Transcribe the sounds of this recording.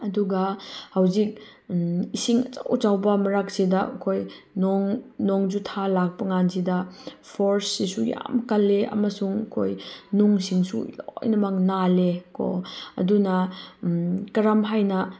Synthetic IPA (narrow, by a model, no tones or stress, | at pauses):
ɐduɡɐhawzik̚ | isiŋɐt͡ʃawt͡ʃawbɐmɐɾak̚sidɐkʰoj | nɔŋnɔŋd͡ʒutʰalak̚pɐŋansidɐpʰoɾsːisuja̰mkɐlːeɐ̰mɐsuŋkʰo̰jnuŋsiŋsṵjo̰jnɐmaŋnalekɔ̰ɐ̰dunɐ | kɐɾamɦajnɐ